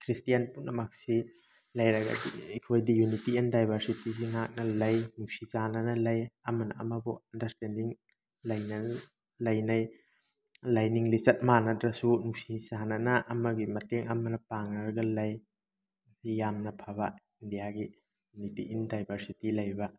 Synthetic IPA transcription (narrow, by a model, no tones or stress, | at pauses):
kʰɾistijɐnpunɐmak̚si | lɐjɾɐɡɐ̰diekʰojdijunitiindajbʱɐɾsitisiŋak̚nɐlɐjnusizanɐnɐlɐjɐmɐnɐɐ̰mɐbuɐndɐɾstendiŋ | lɐjnɐn | lɐjnɐj | lajniŋlit͡ʃɐt̚manɐtɾɐsunuk̚sizanɐnɐʔɐmɐɡimɐteŋɐmɐnɐpaŋnɐɾɐɡɐlɐj | sijamnɐpʰaβa | indijaɡi | junitiʔindajbʱɐɾsitilɐjbɐ